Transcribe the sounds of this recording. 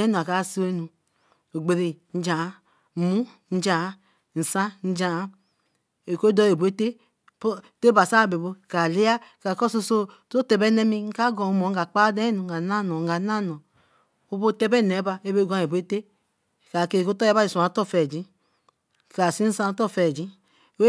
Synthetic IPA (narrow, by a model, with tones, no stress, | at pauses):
e˦nu˨a˨ka˨˦˨si˦e˦nu˨ | o˨ɡ͡be˨ɾi˨n̩˦d͡ʒa˨˦˨ | mu˦ | n̩˦d͡ʒa˨˦ | n̩˨sa˦n̩˦d͡ʒa˨˦ | e˨ko˦dɔ˦e˨bu˨e˦te˦ | po˦˨te˦ba˨sa˦˨be˨bo˦ka˨li˦a˦ka˨ko˦so˦so˦to˦te˨bɛ˦ne˦mi˦ŋ̩˦ka˦ɡɔ˨mo˨˦ɡa˨k͡pa˦dɛ˦nu˨ŋ̩˨ɡa˨˦na˦˨nɔ˨a˨˦na˦˨nɔ˨ | o˦bo˦˨te˦bɛ˦˨nɛ˨˦ba˦e˦be˦ɡa˦e˨be˦te˦˨ | ka˨ke˨ko˦tɔ˦a˦ba˦i˨su˨a˨˦tɔ˦˨fɛ˨d͡ʒi˦˨ | ka˨si˦n̩˦sã˦n˦tɔ˦˨fɛ˨d͡ʒi˦˨ | we˦